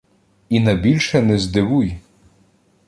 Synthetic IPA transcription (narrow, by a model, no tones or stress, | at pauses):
inɐbʲilʲʃɛnɛzd̪ɪʋuj